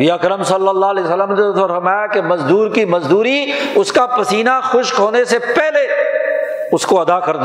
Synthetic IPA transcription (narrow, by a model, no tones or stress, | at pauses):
iɐkɾəmsɐlːəlːaːleːsəlːəmd̪et̪ɔɾfɐɾmaːjakemɐzd̪uːɾkimɐzd̪uːɾiʊskapɐsiːnaxʊʃkɦoːnesepɛɦle | ʊskoɐd̪akɐɾd̪